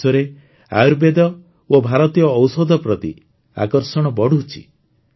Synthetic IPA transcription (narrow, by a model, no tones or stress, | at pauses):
ɔɾe | a̰uɾbed̪ɔ | obʱaɾɔt̪ijɔːwsɔd̪ʱɔpɾɔt̪ḭ | a̰kɔɾsɔɽ̃ɔbɔɽuɦt͡ʃʰḭ